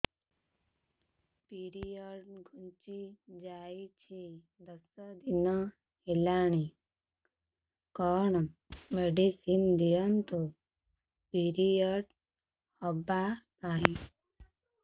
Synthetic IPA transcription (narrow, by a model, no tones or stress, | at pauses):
piɾijəɖɡʱunt͡ʃid͡ʒaːit͡ɕʰi | d̪əsəd̪inə | helaɳ̃i | kɔɳmeɖisind̪ijənt̪o | piɾijəɽ | hɔbapaːɦi